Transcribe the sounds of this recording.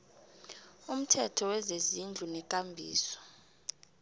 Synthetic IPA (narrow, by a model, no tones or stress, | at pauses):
um̩tʰɛtʰɔwɛzezind͡ɮʱunɛkʼambʱḭːsɔ̥